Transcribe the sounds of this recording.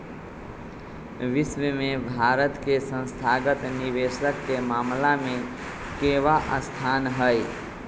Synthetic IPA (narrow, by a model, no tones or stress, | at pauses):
ʋɪsʋəmẽbʱaɾət̪kesə̃nst̪ʰaɡət̪niʋesəkːemaːmlamẽ | keʋaʔəst̪ʰanɦəj